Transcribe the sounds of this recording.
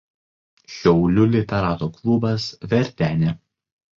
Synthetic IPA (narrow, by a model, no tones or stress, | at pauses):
ʃʲɛʊlʲʊlʲɪt̪ʲɛɾɑːt̪oːklˠʊbɐsʋʲɛɾʲt̪ʲæːnʲe